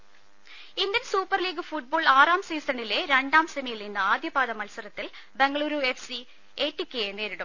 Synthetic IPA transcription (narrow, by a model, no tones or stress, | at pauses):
ind̪ɐnsuːpːɐrliːɡɨfuʈ̚boːɭaːraːmsiːsɐɳɖileɾeɳɖaːmsemijilninːɐaːd̪jɐbaːðɐmɐlsɐɾɐt̪ːil | beŋɡɐɭuːɾuefsi | eːʈːikːeene̞ːɾiɽɐm